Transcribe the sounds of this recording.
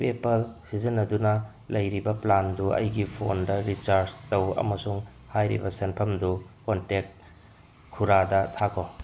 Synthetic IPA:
pepɐlsizinːɐdunɐ | lɐjɾibɐplanduʔɐ̰jɡipʰondɐɾit͡ʃaɾd͡ʒtɐwɐ̰mɐsuŋ | hajɾḭbɐsenpʰɐmdukontek̚t̚ | kʰːuɾadɐtʰakʰo

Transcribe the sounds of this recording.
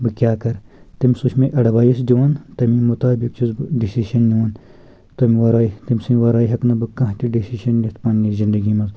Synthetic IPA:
bɨkʲjaːkɐɾt̪imʲsuʃʰmeʔɐɽʋaːjisd͡ʒoːnt̪ɐmimut̪aːbikt͡ʃizbɨɖisiʃɐnjuːn | t̪ɐmiʋɐɾaːit̪imsiʋɐɾaːjɦɐknɐbɨkɐ̃ɦt̪iɖisiʃɐnjɐt̪ʰpɐːnjizind̪ɐɡimɐz

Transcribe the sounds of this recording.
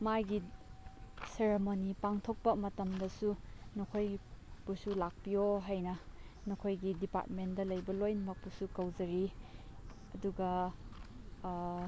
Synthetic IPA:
majɡi | seɾemonipaŋtʰok̚pɐmɐtɐmdɐsunokʰojpusulak̚pijoɦajnɐ | nokʰojɡidipa̰t̚mendɐlɐjbɐlojnɐmɐk̚pusukɐwzɐɾi | ɐduɡɐ

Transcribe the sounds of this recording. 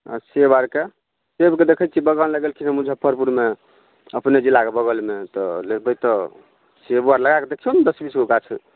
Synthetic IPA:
a̰sebaɾke | sebked̪ekʰət͡ʃʰibəɡanləɡelkʰinemud͡ʒʱəpʰəɾpuɾme | əpned͡ʒilːakebəɡəlmet̪ɔlebəjt̪ɔ | sebuaɾləɡaked̪ekʰijond̪əsbisɡokat͡ʃʰɛ

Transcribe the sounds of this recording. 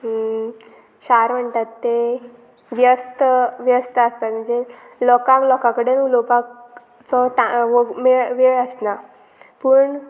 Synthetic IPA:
ɕaɾm̤əɳt̪at̪ːe | ʋjəst̪əʋjəst̪əəst̪at̪m̤əɳd͡ze | lɔkaklɔkakəɽenulopak | t͡sɔʈaʋəmeɭʋeɭəsna | pəɳ

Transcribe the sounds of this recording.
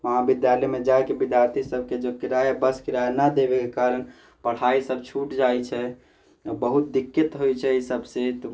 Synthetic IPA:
məɦãbid̪jalɛmed͡ʒaekebid̪jaɾt̪ʰisəbʱked͡ʒokiɾaabəskiɾajnəd̪ebekekaɾən | pəɽ̤aisəb̚t͡ʃʰuʈd͡ʒajt͡ʃʰɛ | bəɦut̪̚d̪ikːet̪ɦojt͡ʃʰɛisəbsẽt̪

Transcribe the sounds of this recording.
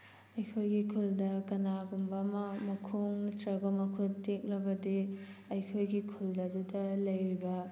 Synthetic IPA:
ɐjkʰojɡikʰuldɐkɐnaɡumbɐmɐmɐkʰuŋtɾɐbɐmɐkʰuttek̚lɐbɐdiɐjkʰojɡikʰulɐdudɐlɐjɾibɐ

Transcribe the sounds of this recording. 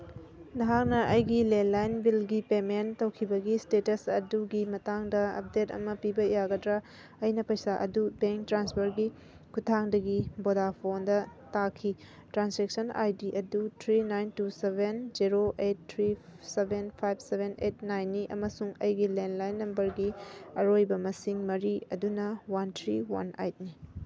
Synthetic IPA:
nɐɦak̚nɐʔɐjɡilenlajnbilɡipementɐwkʰibɐɡistetɐsɐduɡimɐtaŋdɐɐ̰p̚detɐ̰mɐpibɐjaɡɐdɾa | ɐjnɐpɐjsaʔɐ̰dubeŋk̚tɾanspɐɾɡi | kʰutʰaŋdɐɡibodapʰondɐtakʰi | tɾansek̚sɐna̰jdiʔɐdutʰɾinajntusebʱenziɾoʔet̚tʰːɾisebʱenpʰajb̚sebʱenet̚najnːiʔɐ̰mɐsuŋɐ̰jɡilenlajnːɐmbɐɾɡiɐɾojbɐmɐsiŋmɐɾiɐdunɐwantʰɾiwa̰na̰jt̚ni

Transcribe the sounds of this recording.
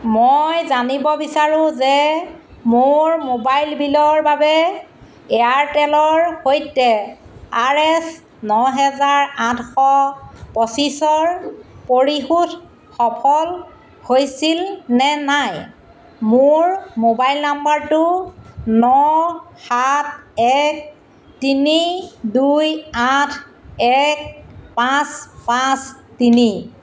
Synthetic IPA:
mojzanibɔbisaɹʊ̃zɛ | moɹmobajlbilɔɹbabɛ | ɛaɹtɛlɔɹhojtɛaɹɛs | nɔɦɛzaɹãtʰxɔpɔsisɔɹpoɹixut | xɔpʰɔl | hojsilnɛnaj | mʊɹmobajlnambaɹtʊnɔxat̚ʰɛk̚ | tinidujatʰɛkpãspãstini

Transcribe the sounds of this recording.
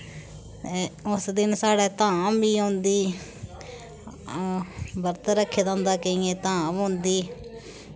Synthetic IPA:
t̪eːʊsd̪ɪnsaːɽɛːt̪ãːbiːõːnd̪iː | bəɾt̪ɾəkʰːeːd̪ãːnd̪aːkəĩːẽːt̪ãːbɦõːnd̪iː

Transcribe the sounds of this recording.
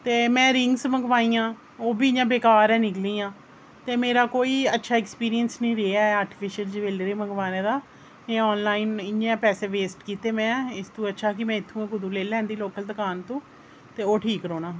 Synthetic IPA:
t̪eːmɛ̃ːɾɪŋɡsməɡʋaːĩːãː | oːbiːɪãːbeːkaːɾɛːnɪkliːãː | t̪eːmeːɾaːkoːiːətːʃʰaːɛːkspiːɾijənsnĩːɾeːaɛaːɾʈɪfʰɪʃəld͡ʒʋeːlɾeːməɡʋaːneːd̪aː | eːɔːnlaːiːnɪẽːpɛːseːʋeːsʈkiːt̪eːmɛ̃ːɪst̪ũːətːʃʰaːkɪmɛ̃ːɪt̪ʰːũːãːkʊd̪ũːleːlɛ̃ːnd̪iːloːkəld̪əkaːnt̪ũː | t̪eːoːʈʰiːkɾoːnaː

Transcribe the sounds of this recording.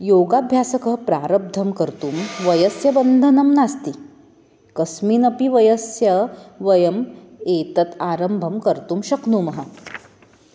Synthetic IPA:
joɡabʱjasəkəɦpɾaɾəb̚d̪ʱəmkəɾt̪uːmʋəjəsjɐbənd̪ʱənɐmnast̪i | kəsminɐpiʋəjəsjɐʋəjəm | et̪ət̪aɾəmbʱəmkəɾt̪uːmɕɐknuːmɐɦə

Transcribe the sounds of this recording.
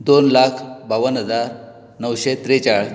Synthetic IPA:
d̪onlakʰbaʋənɦəd͡zaɾ | nəʋɕet̪ɾet͡ɕaɭ

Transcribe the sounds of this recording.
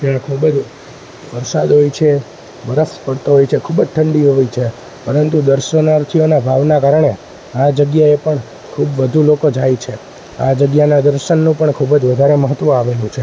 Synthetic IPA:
t̪jãkʰubəd͡ʒ | ʋəɾsad̪ɦojt͡ʃʰe | ʋəɾəspəɽt̪oɦojt͡ʃʰekʰubəd͡ʒʈʰəɳɖiɦojt͡ʃʰe | pəɾənt̪ud̪əɾʃənaɾt̪ʰijonabʱaʋnakaɾɳe | ad͡ʒəɡjaepəɳ | kʰubʋəd̪ʱulokod͡ʒajt͡ʃʰe | a̰d͡ʒəɡjanad̪əɾʃənːũpəɳkʰubəd͡ʒʋəd̪ʱaɾeməɦət̪ːʋə̃aʋelũt͡ʃʰe

